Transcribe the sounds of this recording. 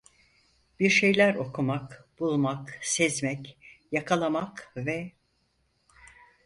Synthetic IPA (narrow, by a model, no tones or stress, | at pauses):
b̥iɾʃe̞jlʲæɾo̞kʰumakb̥ulˠmaksɛzmɛcjakʰalˠamakvɛ